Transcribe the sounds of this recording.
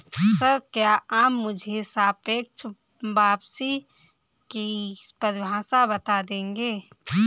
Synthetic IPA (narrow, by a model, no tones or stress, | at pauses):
səkjaʔaːmːʊd͡ʒʱesaːpeːk̚t͡ʃ | baːbsi | kispəɾbʱãːsabət̪ad̪ẽːŋɡeː